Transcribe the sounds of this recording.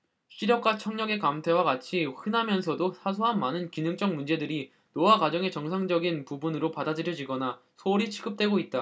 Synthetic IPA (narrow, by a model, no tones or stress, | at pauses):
ɕʰiɾjʌk̚k͈wat͡ɕʰʌŋɲʌɡe̞kamtʰe̞waɡat͡ɕʰiɸɯnɦamjʌns̬ʰʌdosʰas̬ʰoɦanmanɯnkinɯŋt͡ɕ͈ʌŋmund͡ʑe̞dɯɾi | nowakwad͡ʑʌŋe̞t͡ɕʌŋsʰaŋd͡ʑʌɡinpubunɯɾopadad͡ʑɯɾjʌd͡ʑiɡʌna | sʰoɾit͡ɕʰiɡɯp̚t͈we̞ɡoit̚t͈a